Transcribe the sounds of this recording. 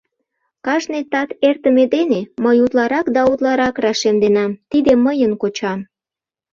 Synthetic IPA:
kɑʃnet̪ɑt̪ert̪ə̆med̪eneməjut̪lɑɾɑkd̪ɑut̪lɑɾɑkrɑʃemd̪enɑmt̪id̪eməjənkot͡ɕɑm

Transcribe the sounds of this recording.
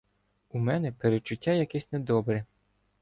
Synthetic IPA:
umɛnɛpeɾet͡ʃːʊtʲːajɐkɛsʲned̪ɔbɾɛ

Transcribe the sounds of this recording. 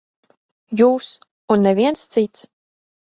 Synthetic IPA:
juːs | unːɛvʲiɛnst̪sit̪s

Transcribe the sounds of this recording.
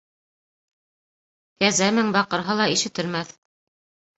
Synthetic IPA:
kæzæmɘŋbɑqɤ̆ɾɦɤlˠɑiʃɘ̆t̪ɘ̆lmæθ

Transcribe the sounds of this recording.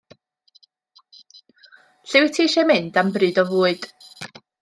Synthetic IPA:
ɬɪwɪtʰiʃemɨndambrɨːdɔvuːɨd̥

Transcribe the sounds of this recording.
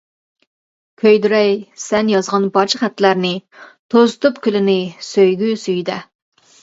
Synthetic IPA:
kʲʰøjd̪yɾɛjsɛnjɑzʁɑnbɑɾt͡ʃʰəχæt̪ʰːlæɾnɪt̪ʰozɨt̪upkʲʰylɪnɪsøjɡʲysyjd̪ɛ

